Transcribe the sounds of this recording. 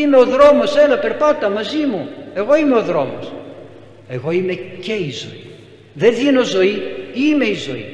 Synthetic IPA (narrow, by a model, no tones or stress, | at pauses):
ime̞o̞ðɾo̞mo̞se̞lɐpe̞ɾpɐt̪ɐmɐzimue̞ɣo̞ime̞o̞ðɾo̞mo̰s | e̞ɣo̞ime̞ceizo̞̰i | ðeðino̞zo̞iime̞izo̞̰ḭ